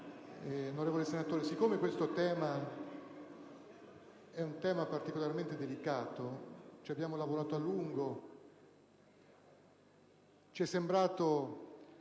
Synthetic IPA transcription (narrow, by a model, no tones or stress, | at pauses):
onoɾeːvolesenat̪oːɾesikːoːmekwest̪ot̪ɛːma | ɛunt̪ɛːmapart̪ikolarment̪ed̪elikaːt̪ot͡ʃiabjaːmolavoɾaːt̪oalːuŋɡo | t͡ʃiɛsːembɾaːt̪o